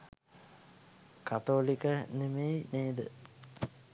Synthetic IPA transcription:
kat̪oːlikənemejneːd̪ə̰

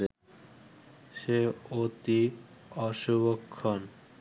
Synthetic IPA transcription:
ʃeot̪iɔʃuβokʰːon

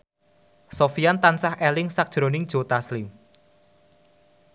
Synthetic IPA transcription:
sofijant̪ansahɛlɪŋsak̚d̥ʒ̥ɾo̤nɪŋd̥ʒ̥o̤t̪aslɪm

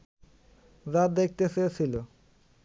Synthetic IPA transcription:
zad̪ek̚ʰt̪esesʰilo

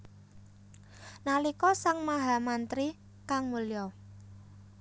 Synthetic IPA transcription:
nalikɔsaŋmaɦa̤mant̪ɾi | kaŋmuljɔ

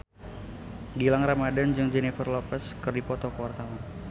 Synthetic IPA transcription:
ɡilaŋramadand͡ʒɨŋd͡ʒɛnifərlɔpɛskɨrdipɔt̪ɔkəwart̪awɔn

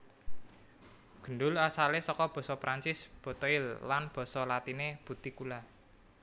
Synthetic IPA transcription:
ɡ̥ə̤ɳɖʊlasalesɔkɔb̥ɔ̤sɔpɾaɲt͡ʃɪsb̥ɔ̤t̪ɔilːanb̥ɔ̤sɔlat̪ineb̥ṳt̪ikula

